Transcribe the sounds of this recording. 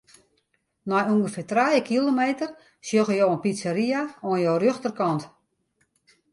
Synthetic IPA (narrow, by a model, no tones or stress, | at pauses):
nɔjuŋɡəfɪːtrajəkʰilˠomeːtər | sjoɣəjoːənpit͡səɾiaoənjoːrøxtərkɔnt